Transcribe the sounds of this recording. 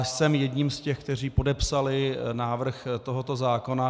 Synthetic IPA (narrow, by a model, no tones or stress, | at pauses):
sɛmjɛdɲimscɛxk̚t̪ɛriːpo̞dɛpsalɪnaːvr̩xt̪o̞ɦo̞t̪ozaːko̞na